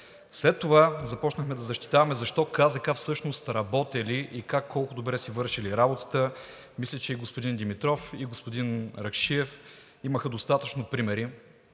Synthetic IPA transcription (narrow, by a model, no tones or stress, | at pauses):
slɛt̪ːovazɐpɔt͡ʃnəxmɛd̪ɐzɐʃt̪i̥t̪avɐmɛzɐʃt̪ɔkazɐkafsɤʃnost̪ɾɐbɔt̪ɛliʔikakːɔlˠkʊd̪obɾɛsivɤɾʃiliɾabot̪ə̥t̪ə | mislʲɛt͡ʃɛiɡospod̪ind̪imit̪ɾɔfiɡospod̪inɾɐkʃiɛf | iməxəd̪ost̪at̪ət͡ʃnopɾimɛɾi